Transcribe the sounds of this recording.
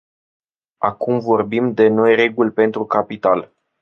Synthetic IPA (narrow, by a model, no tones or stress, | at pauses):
akumvo̞rbimd̪e̞no̞jre̞ɡulʲpe̞nt̪ɾukapit̪al